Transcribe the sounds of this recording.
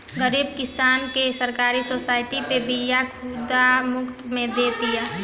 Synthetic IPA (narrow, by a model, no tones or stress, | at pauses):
ɡəɾiːb̚kɪsaːnkesəɾkaːɾisoːsaːɪʈipebʱijakud̪amʊkt̪mẽd̪eːt̪ijaː